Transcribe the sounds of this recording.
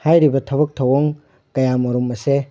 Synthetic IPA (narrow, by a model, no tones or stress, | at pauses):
hajɾibɐtʰɐbɐk̚tʰɐwoŋ | kɐjamɐɾumɐse